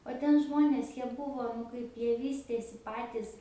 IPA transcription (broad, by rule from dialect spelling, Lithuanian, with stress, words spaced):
oː ˈtʲɛn ˈʒmoːnʲeːs ˈjiɛ ˈbʊʋoː nʊ ˈkɐɪp ˈjiɛ ˈʋʲiːsʲtʲeːsʲɪ ˈpɑːtʲiːs